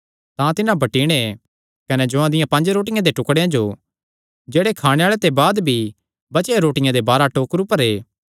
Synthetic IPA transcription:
t̪ãt̪ɪnãbʱɐʈiːɽ̃e | kɐnɛd͡ʒoãd̪ɪjãpɐ̃ɲd͡ʒɾoːʈ̬ɪjãd̪eʈʊkɽejãd͡ʒo | d͡ʒeːɽekʰaːɽ̃eaːɭet̪ebaːd̪bʱi | bɐt͡ʃeɾoːʈɪjãd̪ebaːɾaʈoːkɾupəɾeː

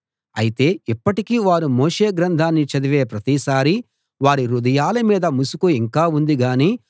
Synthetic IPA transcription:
ɐ̰jit̪e̞ːipːɐʈikiːʋaːɾumoːʂe̞ːɡɾɐnd̪ʱaːnːit͡ʃɐd̪iʋe̞ːpɾɐt̪isaːɾi | ʋaːɾiɾud̪ɐjaːlɐmiːd̪ɐmusukuiŋkaːund̪iɡaːniː

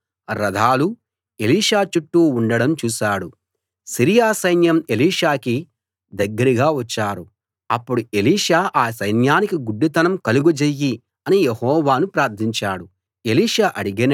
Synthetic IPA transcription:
ɾɐd̪ʱaːlu | e̞liːʂaːt͡ʃuʈːuːɳɖɐɽɐmt͡ʃuːʃaːɽu | siɾijaːsɐjnjɐmeliːʂaːki | d̪ɐɡːɐɾiɡaːʋɐt͡ʃːaːɾu | ɐpːuɽue̞liːʂaːʔaːsɐjnjaːnikiɡuɖːit̪ɐnɐmkɐluɡud͡ʒejːi | ɐnijehɔːʋaːnupɾaːɾt̪ʰiɲt͡ʃaːɽu | e̞liːʂaːʔɐɽiɡɐn

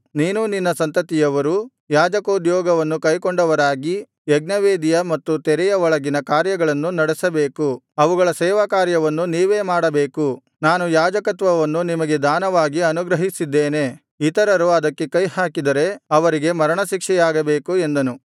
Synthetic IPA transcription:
niːnuninːɐsɐnt̪ɐt̪ijɐʋɐɾu | jaːd͡ʒɐkoːd̪jɔːɡɐʋɐnːukɐjkoɳɖɐʋɐɾaːɡi | ɛɡ̚nɐʋeːd̪ijɐmɐt̪ːut̪ɛɾɛjɐʋɔɭɐɡinɐkaːɾjɐɡɐɭɐnːunɐɽesɐbeːku | ɐʋuɡɐɭɐsɛːʋakaːɾjɐʋɐnːuniːʋe̞ːmaːɽɐbeːku | naːnujaːd͡ʒɐkɐt̪ʋɐʋɐnːunimɐɡe̞d̪ʱaːnɐʋaːɡiɐnuɡɾɐɦisid̪ːeːne̞ | it̪ɐɾɐɾuɐd̪ɐkːe̞kɐjhaːkid̪ɐɾe̞ɐʋɐɾiɡe̞mɐɾɐɳɐʃikʂɛjaːɡɐbeːkuend̪ɐnu

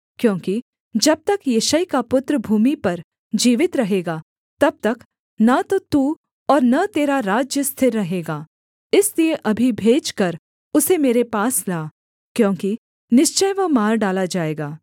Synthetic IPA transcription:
kjõːki | d͡ʒɐb̚t̪ɐkjɐʃəjkapʊt̪ɾəbʱuːmipɐɾ | d͡ʒiːʋɪt̪ɾɐɦeːɡaː | t̪ɐb̚t̪ɐk | nat̪ot̪uː | ɔːɾnɐt̪eːɾaɾaːd͡ʒjəst̪ʰɪɾːɐɦeːɡaː | ɪslieʔɐbʱibʱeːd͡ʒkɐɾ | ʊsemeːɾepaːslaː | kjõːki | nɪʃt͡ʃəjʋɐɦmaːɾɖaːlad͡ʒaːeːɡaː

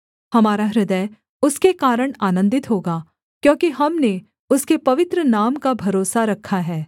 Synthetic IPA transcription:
hɐmaːɾaɾɪd̪əj | ʊskekaːɾəɽ̃aːnə̃nd̪ɪt̪ɦoːɡaː | kjõːkiɦɐmne | ʊskepɐʋɪt̪ɾənaːmkabʱɐɾoːsaɾɐkʰːaɦɛː

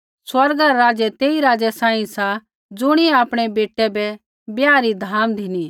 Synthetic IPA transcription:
swɐɾɡaɾaɾaːd͡ʒɛt̪eːiɾaːd͡ʒɛsãːĩsa | d͡zʊɽ̃iɛaːpɽ̃ebeːʈɛbɛ | bjaːɾid̪ʱaːmd̪ʱini

